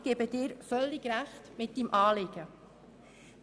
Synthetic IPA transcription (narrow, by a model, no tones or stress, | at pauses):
ɡ̥eːbəd̥ɪːɾfœlːɪɡɾæχtmɪt̚d̥imʔɑːlɪɡ̥ə